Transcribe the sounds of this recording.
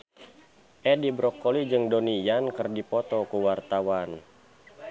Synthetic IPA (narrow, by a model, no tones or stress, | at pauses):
ʔɛdibɾɔkːɔlid͡ʒɨŋdɔnijankɨrdipɔt̪ɔkuwart̪awan